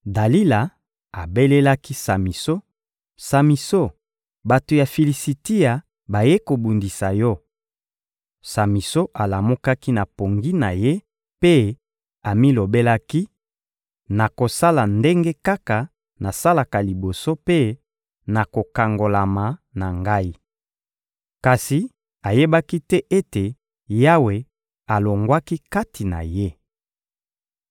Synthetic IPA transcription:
da˨li˦la˨ | a˨be˦le˦la˦ki˦sa˨mi˨so˦ | sa˨mi˨so˦˨ | ba˨to˨ja˨fi˨li˨si˨ti˦ja˨ | ba˨je˦ko˨bu˨ndi˨sa˨jɔ˦ | sa˨mi˨so˦ʔa˨la˨mo˦ka˦ki˦na˨po˨ŋɡi˦na˨je˦ | pe˦ | a˨mi˦lo˨be˦la˦ki˦ | na˨ko˨sa˦la˨nde˦ŋɡe˦ka˦ka˨ | na˨sa˦la˨ka˨li˨bo˨so˦pe˦ | na˨ko˨ka˨ŋɡo˨la˨ma˨na˨ŋɡa˦i˦ | ka˨si˨ | a˨je˦ba˦ki˦tɛ˦ʔe˦te˨ | ja˦we˨ | a˨lo˨ŋɡwa˦ki˦ka˦ti˨na̰˨je˦

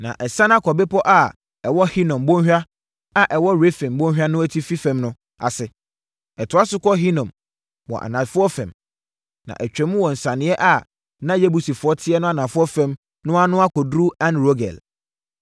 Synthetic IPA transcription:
nã̰˨ʔɛ˨sã˦na˦kʰɔ˨bɪ˦pɔ˦ʔa˨ | ɛ˨wɔ˦hi˦nɔ̃˨mbɔ̃˦hᶣa˦ | a˨ʔɛ˨wɔ˦ɾe˦fɛ̃˨mbɔ̃˦ɦᶣa˦nʊ̃˦æ˦tʰi˦fi˦fɛ̃˨mnʊ̃˦ | a̰˨sɪ˨ | ɛ˨tʰʊ˨a˦sʊ˦kɔ˦ɦi˦nɔ̃˨m | wɔ̰˨ʔa̰˨nã˨fʊ˦ɔ˦fɛ̰̃˨m | nã̰˨ʔæ˨t͡ɕᶣɾɛ̃˨˦mũ˦wɔ˨n̩˨sã˨nɪ̃˦ɛ˦ʔa˨ | nã˦je˦bu˨si˨fʊ˨˦ɔ˦tʰɪ˦ɛ˦nʊ̃˦a˨nã˨fʊ˦ɔ˦fɛ̃˨m | nʊ̃˦a˦nʊ̃˦a˦kʰɔ˨dɾu˦ã˨nɾo˦ɡɛ̰˨l

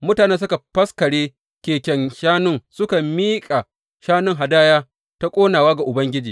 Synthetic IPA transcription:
mʊ˦taː˨neː˦ns̬ʊ˦ka˨ɸɐ˦skɐ˨ɽeː˦ | kʲeː˨kʲɛ˨ŋʃaː˦nʊ˦ŋsʊ˦ka˨miː˦kʼa˨ | ʃaː˦nʊ˦ŋɦa˨daː˦jaː˦ | ta˦kʷʼoː˦naː˨waː˦ɡa˨ʔʊ˨bɐ˦ŋɡʲɪ˦d͡ʒiː˨

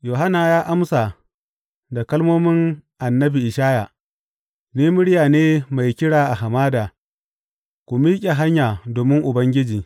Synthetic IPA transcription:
joː˨ɦa˦naː˨jaː˦ʔa˦msa˨ | da˨kɐ˦lmoː˦mɪ˦ŋʔa˨nːɐ˦bi˨ʔɪ˨ʃaː˦ja˨ | niː˦mʊ˦ɽɪ˦jaː˨neː˦ma˨jkʲɪ˦ɽaː˨ʔa˨ɦa˨maː˦daː˨ | kʷu˨miː˦kʲʼe˨ɦa˦ɲjaː˨doː˨mɪ˦ŋʔʊ˨bɐ˦ŋɡʲɪ˦d͡ʒiː˨

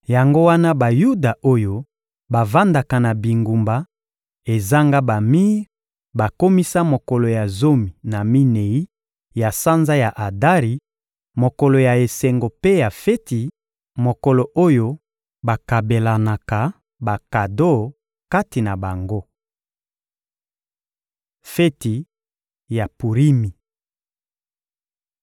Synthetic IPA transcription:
ja˨ŋɡo˦wa˦na˦ba˨ju˦da˨ʔo˦jo˦ | ba˨va˦nda˨ka˨na˨bi˨ŋɡu˨mba˨ | e˨za˦ŋɡa˦ba˨mi˦ʁ | ba˨ko˦mi˦sa˦mo˨ko˨lo˨ja˨zo˦mi˨na˨mi˦ne˨i˦ | ja˨sa˦nza˦ja˨ʔa˨da˦ʁi˨ | mo˨ko˨lo˨ja˨e˨se˨ŋɡo˨pe˦ja˨fe˦ti˨ | mo˨ko˨lo˨ʔo˦jo˦ | ba˨ka˨be˨la˨na˨ka˨ | ba˨ka˨do˦˨ | ka˦ti˨na˨ba˨ŋɡo˦ | fe˦ti˨ | ja˨pu˨ʁi˦mi˨

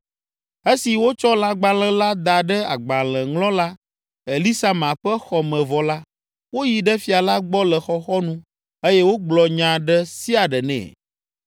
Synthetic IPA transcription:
e˦si˨wo˦t͡ʃɔ˦la˦ɡ͡ba˨l̃ɛ̃˨la˦d̪a˨ɖɛ˦a˨ɡ͡ba˨lɛ̃˨ŋlɔ̃˦la˦ | e˨li˦sa˦mã˨ɸɛ˦xɔ˨mɛ̃˨vɔ˨la˦ | wo˦ji˨ɖɛ˦fi˨a˨la˦ɡ͡bɔ˦lɛ˨xɔ˨xɔ˦nũ˦ | e˦jɛ˦wo˦ɡ͡blɔ˨ɲã˨ɖɛ˦si˦a˨ɖɛ˨nɛ̰̃˨

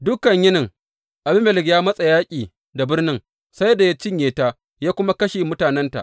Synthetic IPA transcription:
dʊ˦kɐ˨ɲjɪ˦nɪ˨ŋ | ʔa˨bɪ˦mɛ˨lɪ˨ɡjaː˦mɐ˦sʼa˨jaː˦kʲʼiː˨ | da˨bɪ˦rnɪ˦ŋ | sa˦jda˨ja˦t͡ʃɪ˦ɲjeː˨taː˦ | jaː˦kʷʊ˦ma˦kɐ˦ʃeː˨mʊ˦taː˨nɛ˦nta̰˨ʔ

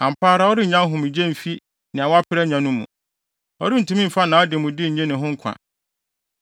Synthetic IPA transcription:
ã˨m̩˨pʰaː˦ɾa˦ɔ˦ɾɪ˦ɲ̩˨ɲã˦ɦʊ̃˨mĩ˨d͡ʑẽ˦˨m̩˨fi˦ | nɪ̃˨a˨wa˦pʰɪ˦ɾɛ˦ɲã˨nʊ̃˦mṵ̃˨ | ɔ˦ɾɪ˦n̩˨tʰũ˦mĩ˦m̩˨fa˦nã˨ɔ˦dɪ˨mũ˨dɪ˦˨ɲ̩˨ɲɛ̃˦nɪ̃˨ɦʊ̃˦ŋ̩˦kʷʰã̰˨

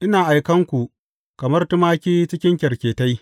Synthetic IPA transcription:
ʔɪ˦naː˨ʔa˨jkɐ˦ŋkʷu˨ʔ | kɐ˨mɐ˦rtʊ˦maː˦kʲiː˦t͡ʃɪ˦kʲɪ˦ŋkʲɛ˨ɾkʲeː˨ta˦j

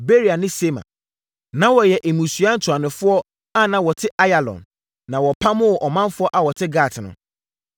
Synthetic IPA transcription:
be˦ɾi˨a˨nɪ̃˦se˦mã̰˨ | nã˦wɔ˨jɛ˨ʔe˨mũ˨su˨a˦n̩˦tʰu˨a˨nɪ̃˨fʊ˦ɔ˦ | a˦nã˨wɔ˨tʰɪ˦ʔa˦ja˨lɔ̰̃˨n | nã˨wɔ˨pʰa˦mʊ̃˦wʔɔ˨mã˦nfʊ˦ɔ˦ʔa˨wɔ˨tʰɪ˦ɡaː˦˨tʰɪ˨nʊ̰̃˨

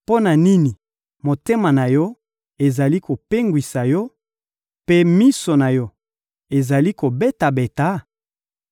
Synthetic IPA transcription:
po˦na˨ni˦ni˨ | mo˨te˦ma˨na˨jɔ˦ | e˨za˨li˦ko˨pe˦ŋɡwi˨sa˨jɔ˦ | pe˦mi˦so˨na˨jɔ˦ | e˨za˨li˦ko˨be˦ta˨be˨ta˨˦

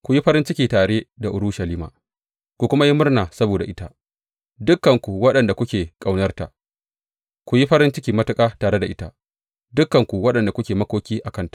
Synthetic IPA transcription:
kʷu˨ji˦ɸɐ˦ɾɪ˦nt͡ʃɪ˦kʲiː˨taː˨ɽeː˦da˨ʔʊ˨ɾʊ˦ʃɐ˨liː˦ma̰ː˨ | kʷu˨kʷʊ˦ma˦ji˦mʊ˦rnaː˨sɐ˦boː˨da˨ʔɪ˦ta˦ʔ | dʊ˦kːɐ˨ŋkʷu˨wɐ˦ɗɐ˨nda˨kʷʊ˦kʲeː˨kʼa˨wnɐ˦rta̰˨ | kʷu˨ji˦ɸɐ˦ɾɪ˦nt͡ʃɪ˦kʲiː˨mɐ˦tʊ˦kʼaː˦taː˨ɾe˦da˨ʔɪ˦ta˦ | dʊ˦kːɐ˨ŋkʷu˨wɐ˦ɗɐ˨nda˨kʷʊ˦kʲeː˨mɐ˦kʷoː˦kʲiː˦ʔa˨kɐ˦ntḁ˨

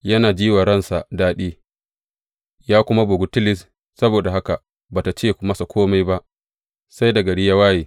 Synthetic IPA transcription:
jɐ˦naː˨d͡ʒiː˦wa˨ɾɐ˦˨nsa˨daː˦ɗiː˦ | jaː˦kʷʊ˦ma˦bʊ˨ɡʊ˦tɪ˦lɪ˨s | sɐ˦boː˨da˨ɦa˦ka˨ | baː˨ta˨t͡ʃeː˦˨kmɐ˦sa˨kʰʷoː˦ma˦jba˦ʔ | sa˦jdɐ˨ɡɐ˨ɽɪ˦ja˦waː˦jeː˨

